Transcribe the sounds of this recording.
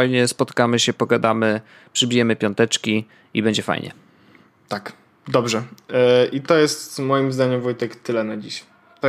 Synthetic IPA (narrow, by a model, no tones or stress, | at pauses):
ajɲɛspɔt̪kamɘɕɛpɔɡad̪amɘ | pʂɘbʲijɛmɘpʲjɔnt̪ɛt͡ʂkʲi | ibɛɲd͡ʑɛfa̰jɲʔɛ̰ | t̪ak | d̪ɔbʐɛʔit̪ɔjɛst̪mɔjimzd̪aɲɛmvujt̪ɛkt̪ɘlɛnad͡ʑiɕaj | t̪ɔ